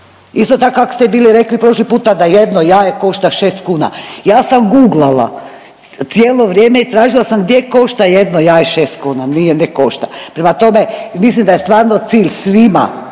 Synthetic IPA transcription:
ist̪ot̪akoakost̪ebiːliɾeklipɾo̞ʃlipuːt̪ad̪ajed̪nojaːjeko̞ʃt̪aʃeːst̪kuːna̰jaːsamɡuːɡlala̰ | t̪sjeːlˠo̞ʋɾjeːmeit̪ɾaːʒilˠasamɡd̪ʲjeko̞ʃt̪aje̞d̪nojaːjeʃeːst̪kuːnanijeneko̞ʃt̪apɾemat̪o̞me̞mislˠimd̪ajest̪ʋaːɾnot̪siːʎsʋima̰

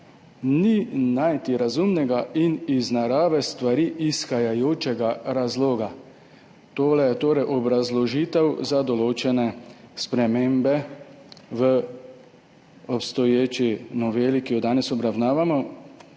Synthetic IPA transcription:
ninajt̪iɾazumnɛɡainiznaɾaːʋɛst̪ʋaɾiːʔisxajajoːt͡ʃɛɡaɾazloːɡa | t̪oːlɛjɛt̪oːɾɛjʔɔbɾazlɔʒiːt̪ɛwzad̪ɔloːt͡ʃɛnɛspɾɛmeːmbɛ | ʋə | ɔpst̪ɔjeːt͡ʃinɔʋeːlikijɔd̪aːnɛsɔbɾawnaːʋamɔ

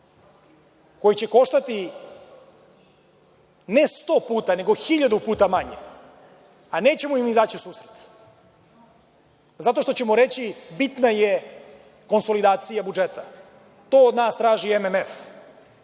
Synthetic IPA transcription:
ko̞jit͡ɕe̞ko̞ʃt̪at̪i | ne̞st̪o̞ːpuːt̪ane̞ɡo̞xiʎad̪upuːt̪amaɲe | ane̞ːt͡ɕe̞moimnizat͡ɕisuːsɾet̪ | zat̪o̞ʃt̪o̞t͡ɕemoɾe̞t͡ɕibit̪naje | ko̞nsolid̪aːt̪sijabud͡ʒet̪a | t̪o̞ːod̪naːst̪ɾaːʒiememef

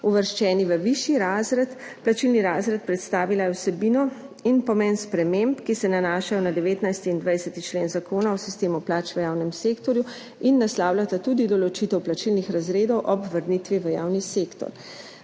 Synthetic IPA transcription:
uʋəɾʃt͡ʃɛːniʋəʋiʃjiɾaːzɾɛt̪ | plat͡ʃilniɾaːzɾɛt̪̚pɾɛt̪st̪aːʋilajɛwsɛbiːnɔ | inpɔmɛnspɾɛmempkisɛnanaːʃajɔnad̪ɛʋeːt̪najst̪iind̪ʋajsɛt̪it͡ʃleːnzakoːnaɔsist̪eːmuplaːt͡ʃʋəjaːwnɛmseːkt̪ɔɾju | inːaslaːwljat̪at̪uːd̪id̪ɔlɔt͡ʃit̪ɛwplat͡ʃilnixɾazɾeːd̪ɔwʔɔbʋəɾnit̪ʋiʋəja̰ːwniseːkt̪ɔ̰ɾ

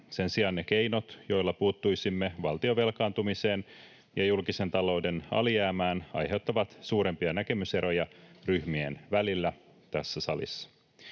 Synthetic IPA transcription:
se̞nsiɑnːe̞ke̞ijno̞t̪jo̞jlːɑpuːt̪ːujsimːe̞ʋɑlt̪io̞ʋe̞lkɑːnt̪umise̞ːn | jɑjulkise̞nt̪ɑlo̞wde̞nɑ̰lijæːmæːnɑ̰jɦe̞wt̪ːɑʋɑt̪suːɾe̞mpiɑnæke̞myse̞ɾo̞jɑryhmienʋælilːæ | t̪æsːæsɑlḭsːɑ̥

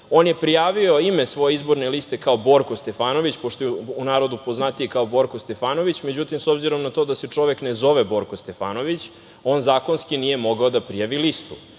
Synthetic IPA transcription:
o̞ːnje̞pɾijaːʋio̞imesʋo̞jeizbo̞ɾnelist̪e̞kaobo̞ɾko̞st̪e̞faːno̞ʋit͡ɕpoʃt̪ojɛunaːɾod̪upo̞znat̪ijekaobo̞ɾkost̪efaːno̞ʋit͡ɕme̞d͡ʑut̪imso̞bziɾo̞mnat̪od̪aset͡ʂo̞ʋeknezo̞ʋebo̞ɾkost̪efa̰ːno̞ʋit͡ɕ | o̞ːnzaːko̞nskinije̞mo̞ɡaod̪apɾijaʋilist̪ṵ

